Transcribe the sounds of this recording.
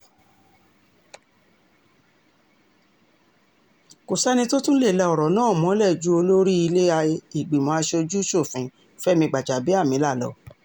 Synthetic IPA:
ko˨sɛ˦nĩ˧to˦tũ˦le˦˨lɛ˧ɔ˨ɾɔ˨nãː˦˨mɔ̃˨˦lɛ˦˨d͡ʒu˨˦o˧lo˦ɾi˦i˧le˦a˧i˨ɡ͡bi˨mɔ̃˨˦a˧ʃo˧d͡ʒu˦ʃo˦˨fĩ˨˦ | fɛ˦mĩ˧ɡ͡ba˨d͡ʒa˨bi˨˦a˦˨mĩ˨˦la˦˨lɔ̰˨˦

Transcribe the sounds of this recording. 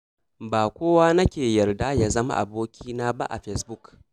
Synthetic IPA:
baː˨kʷoː˦waː˦nɐ˦kʲeː˨jɐ˨rda˦ja˦zɐ˦ma̰˦ʔa̰˨boː˦kʲʰiː˦naː˦ba̰˦ʔa̰˨ɸɛ˦sbʊ˦k

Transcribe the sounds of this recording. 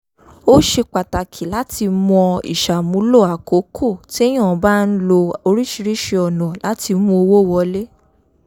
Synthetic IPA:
o˦ʃe˧k͡pa˨ta˨kʰi˨la˨˦ti˧mɔ̃˧ḭ˨ʃa˨mũ˨˦lo˦˨a˨ko˨˦kʰo˦˨ti˦e˦j̃ã˦˨˧ba˦n̩˦lo˧o˧ɾi˦ʃi˧ɾi˦ʃe˧ɔ˨nɔ̃˨la˨˦ti˧˦mũ˧o˧wo˦˨wɔ˧le˦

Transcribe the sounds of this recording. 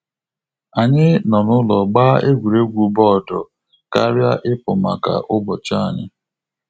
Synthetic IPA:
a˨ɲɪ˦nɔ˨nʊ˦lɔ˨ɡ͡ba˦e˦ɡʷu˨ɾe˦ɡʷu˨bɔ˦˨dɔ˨ | ka˦ɾja˦ʔɪ˦pʊ˨ma̰˨ka̰˨ʔʊ˦bɔ˨t͡ʃa˦a˨ɲɪ̰˦

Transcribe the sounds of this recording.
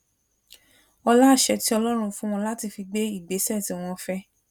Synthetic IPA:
ɔ˧la˦˨ʃɛ˧ti˦ɔ˧lɔ˦ɾ̃ũ˧fũ˦w̃ɔ̃˧la˦ti˧fi˧ɡ͡be˦i˦˨ɡ͡be˨˦sɛ˦˨tĩ˨w̃ɔ̃˧fɛ˦

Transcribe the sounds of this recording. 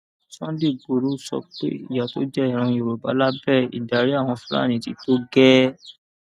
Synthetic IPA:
sã˦de˦˨ɡ͡bo˨ɾu˨˦sɔ̰˧k͡pḛ˦ḭ˦˨ja˨to˨˦d͡ʒɛ˦˨ɾ̃ã˧jo˨ɾo˨ba˨˦la˦bɛ˦˨ḭ˨da˨ɾi˨˦a˦˨w̃ɔ̃˧fũ˦ɾa̰˦˨nĩ˨˦ti˧˦to˦ɡɛ˦

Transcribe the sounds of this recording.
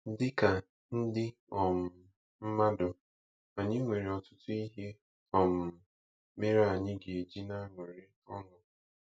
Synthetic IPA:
dɪ˦ka˨ | n̩˦dɪ˦ | ɔ˨m̩˨ | m̩˦ma˦dʊ˨ | a˨ɲɪ˦ŋʷe˨ɾe˨ɔ˨tʊ˦tʊ˦i˦ɦe˦ | ɔ˨m̩˨ | me˦ɾa˨ɲɪ˦ɡe˨d͡ʒi˦na˦ŋʷe˨ɾe˨ | ɔ̰˦nʊ˦

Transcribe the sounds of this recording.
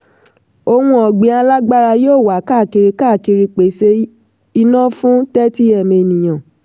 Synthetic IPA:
o˧wũ˧ɔ˨ɡ͡bĩ˨˦a˧la˦ɡ͡ba˦ɾa˧joː˦˨wa˨˦ka˦˨ki˧ɾi˧ka˦˨ki˧ɾi˧k͡pe˨˦se˧˦ | i˧nã˦fũ˦tɛ˦ti˦ɛ˦˨me˧˨nĩ˨j̃ã˨

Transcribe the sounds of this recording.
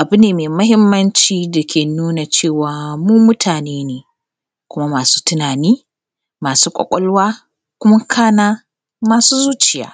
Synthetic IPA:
ʔa˨bʊ˦neː˨meː˨mɐ˦ɦɪ˦mːɐ˦nt͡ʃiː˦da˨kʲeː˨nuː˦na˨t͡ʃeː˦˨waː˨muː˦mʊ˦tʰaː˨neː˦neː˨ | kʷʊ˦ma˦maː˨su̥ː˦tʊ˦naː˨niː˦ | maː˨suː˦kʷʼɔ̰˨kʷʼɔ˦lwaː˦ | kʷʊ˦ma˦kʰaː˦naː˦ | maː˨suː˦zuː˦t͡ʃɪ˨ja̰ː˦

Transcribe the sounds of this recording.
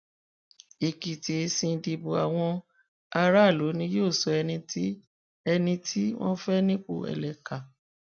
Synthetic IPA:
i˨ki˨ti˨e˧sĩ˧˨di˨bo˨a˨w̃ɔ̃˧ | a˧ɾa˦˨lo˨˦nĩ˧˦joː˦˨sɔ˧ɛ˧nĩ˧ti˦ | ɛ˧nĩ˧tʰi˦w̃ɔ̰̃˦fɛ˦nĩ˦k͡po̰˦˧˨ɛ̰˨lɛ˨ka˨

